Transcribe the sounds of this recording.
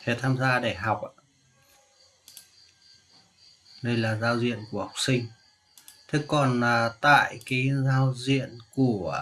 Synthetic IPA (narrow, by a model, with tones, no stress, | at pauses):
fɛ˧˩t̪ʰaː˧mzaː˧ɗa˧˩ɦɔ˨˩wk͡p̚ʔa˧ | ɗə˧jlaː˨˩zaː˧wzḭ˧˨ənku˧˩əha˨˩k͡p̚sï˧ŋ̟ | t̪ʰɨ˨˧˦kːɔ˨˩na˨˩t̪a̰ː˧˨jkaː˨˦jzaː˧wzḭ˧˨ənku˧˩ə